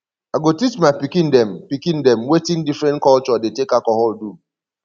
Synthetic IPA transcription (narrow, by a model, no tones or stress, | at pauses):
aɡotit͡ʃmapikĩn̩dɛm̩pikĩndɛm̩wetĩn̩difɾɛ̃nkɔlt͡ʃɔdetekakɔɦɔldu